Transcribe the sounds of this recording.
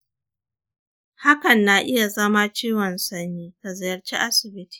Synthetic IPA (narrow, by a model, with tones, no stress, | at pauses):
ha˦kɐ˨nːa˨ʔɪ˦ja˨zɐ˦ma˦t͡ʃiː˦wɐ˨nsɐ˦nːiː˦ka˨zɪ˨jɐ˨rt͡ʃi˦ʔa˦sɪ˨bɪ˦ti̥ː˨